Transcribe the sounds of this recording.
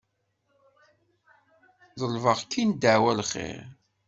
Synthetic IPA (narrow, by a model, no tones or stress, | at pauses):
ðˤəlvəʁkʰːind̪əʕwælχḛʁ